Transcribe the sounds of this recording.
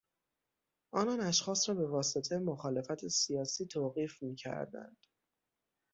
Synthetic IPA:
ʔɒːnɒːnæʃxɒːsɾɒːbe̞vɒːse̞t̪ʰemoxɒːle̞fæt̪ʰesijɒːsiːt̪ʰoːɣiːfmiːcʰæ̰ɾd̪æ̰nd̪̥

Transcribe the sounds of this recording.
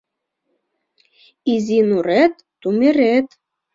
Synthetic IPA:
izinuɾet̪ːumeɾet̪

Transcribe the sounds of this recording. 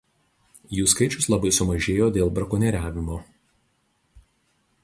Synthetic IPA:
juːskɐɪt͡ʃʲʊslˠɐbɐɪsʊmɐʒʲeːjoːd̪ʲeːlˠbɾɐkʊnʲɛɾʲæːʋʲɪmoː

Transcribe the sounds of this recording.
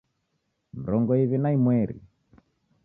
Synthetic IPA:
m̩ɾɔŋɡɔiβinaimwɛɾḭ

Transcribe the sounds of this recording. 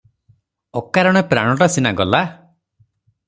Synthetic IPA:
ɔkaɾɔɽ̃epɾaɽ̃ɔʈasinaɡɔla

